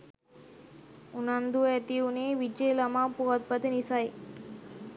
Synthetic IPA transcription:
unɐnd̪uet̪iuneːʋid͡ʒelɐmapuɣɐt̪̚pɐt̪inisaj

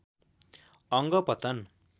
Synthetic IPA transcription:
ʌŋɡʌpʌt̪ʌn

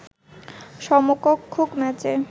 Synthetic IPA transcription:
ʃɔmokokʰːokmɛt͡ɕe

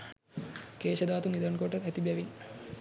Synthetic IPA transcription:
keːʃɐd̪aːt̪uŋid̪ɐnkoʈəæt̪ibɛʋin

